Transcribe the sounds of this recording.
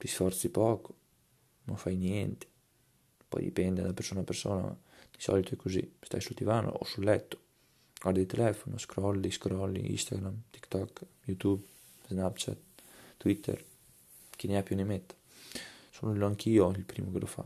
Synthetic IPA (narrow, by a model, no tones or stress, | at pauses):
d̪̥isfɔɾt͡sipɔkɔ̥ | nɔnfajnjɛnt̪i̥ | pɔ̰jd̪ḭpɛnd̪ɛd̪apɛɾsonapɛɾsona̰ | d̪isɔ̰lit̪ɔɛkuzḭst̪a̰jsult̪ivano̰o̰sulɛt̪ːo̥ | ɡaɾd̪it̪ɛlɛfɔnuskɾɔliskɾɔlḭḭst̪a̰ɡɾamt̪i̥kt̪ɔk | jut̪ub | znapt͡ʃa̰t̪̚ːwit̪ʰɛ̰ɾ | kinɛapjunimɛt̪ | sunulːɔŋkʰiɔilpɾimukɛlɔfa̰